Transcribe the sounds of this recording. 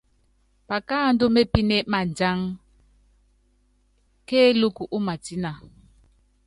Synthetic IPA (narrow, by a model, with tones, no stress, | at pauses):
pa˨kaː˦˨n˦do˦me˦pi˦ne˦ʔma˨nd͡ʒa˦ŋ | keː˦lu˦ku˨ʔu˦ma˨ti˦na˨